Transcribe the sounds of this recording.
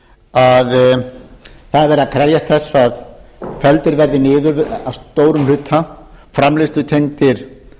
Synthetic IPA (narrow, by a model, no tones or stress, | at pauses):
að | θaðavɛːɾɪðakʰɾɛɾjast̪θɛsːaðfɛlt̪ɪɾvɛɾðɪnɪːðʏɾavst̪oːwɾʏml̥ʏt̪ʰːa | fɾamlɪst̪ʏt̪ʰejŋt̪ɪɾ̥